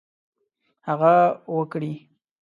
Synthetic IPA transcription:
haɣawəkɽi

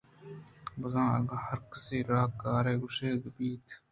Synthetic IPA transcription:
bʊzãːɐ̰ɡaːhɐɾkɐsiːɾaːkaːɾeːɡʊʃeːɡəbiːt̪

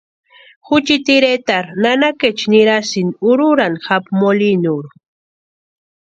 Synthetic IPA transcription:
xʊt͡ʃit̪iɾet̪aɾnanaket͡ʃniɾasɪnʊɾʊɾanxapmolinuɾ

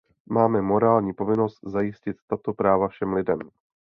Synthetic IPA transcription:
maːmɛmo̞ɾaːlɲiːpo̞vɪno̞st̪zajɪscɪt̪ːat̪o̞pɾaːvafʃɛmlɪdɛm

